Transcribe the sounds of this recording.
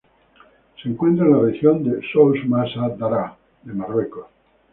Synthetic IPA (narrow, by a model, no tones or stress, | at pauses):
seŋkwe̞nt̪ɾaenlarexjond̪esowsmasad̪aɾa | d̪emarweko